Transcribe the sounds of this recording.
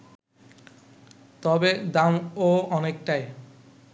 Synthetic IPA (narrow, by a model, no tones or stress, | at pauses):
t̪ɔbed̪amoɔnek̚ʈaj